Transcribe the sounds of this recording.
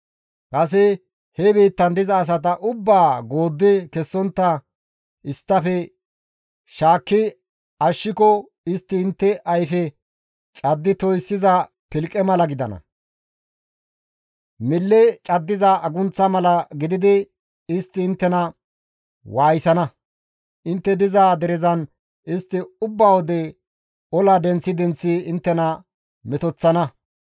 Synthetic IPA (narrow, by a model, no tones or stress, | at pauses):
kʼɐs̬ɪ | hɛbiːt̪ːɐnd̪ɪzɐːs̬ɐt̪̬ɐʔʊbːaːɡo̞ːd̪ːɪkɛsːɔnt̪ːɐ | ɪst̪ːɐfɛ | ʃaːkːɪ | ɐʃːɪkɔ | ɪst̪ːɪːnt̪ːɛʔɐjfɛ | t͡ʃʼɐd̪ːɪt̪ɔjsːɪzɐ | pɪlkʼːɛmɐlɐɡɪd̪ɐnɐ̰ | mɪlːɛt͡ʃʼɐd̪ːɪzɐɐɡʊnt͡sːɐmɐlɐɡɪd̪ɪd̪ɪ | ɪst̪ːɪːnt̪ːɛnɐ | waːjɪsɐnɐ | ʔɪnt̪ːɛd̪ɪzaːd̪ɛɾzɐn | ɪst̪ːɪʊbːawɔd̪ɛ | ɔlad̪ɛnt͡sːɪd̪ɛnt͡sːɪɪnt̪ːɛnɐ | mɛt̪ɔt͡sːɐnɐ